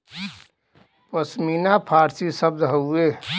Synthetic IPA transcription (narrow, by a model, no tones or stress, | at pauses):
pəsmiːnapʰaːɾsisəb̚d̪ɦəueː